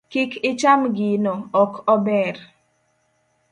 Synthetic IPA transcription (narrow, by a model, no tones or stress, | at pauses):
kɪkɪt͡ʃamɡinɔɔkɔbɛɾ